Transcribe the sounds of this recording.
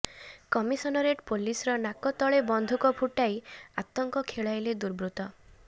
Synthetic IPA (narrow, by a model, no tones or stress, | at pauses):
kɔmisɔnɔɾeʈpolisɔɾɔnakɔt̪ɔɭebɔnd̪ʱukɔpʰuʈajat̪ɔŋkɔkʰeɭajled̪uɾbɾut̪ɔ